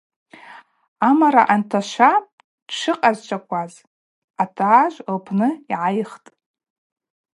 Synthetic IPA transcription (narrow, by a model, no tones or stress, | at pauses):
amaɾa̰ʔantʰaʃʷa | d̥ʂɨqʼazt͡ʃʷʰʼakʷʰʼaz | atʰaːʒʷlpʰnɨiʕajχtʼ